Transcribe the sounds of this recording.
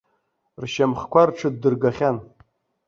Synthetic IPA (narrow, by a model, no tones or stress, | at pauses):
rʃamχkʷʰarʈ͡ʂʰɨd̚ːɨrɡaχʲan